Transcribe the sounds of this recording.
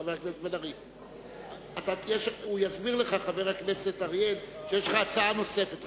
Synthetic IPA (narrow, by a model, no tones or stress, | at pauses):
aveʁakneset̪belaʁjel | at̪ajeʃujazbiʁleχaχaveʁakneset̪aʁjelʃejeʃlχaːt͡saano̞se̞fet̪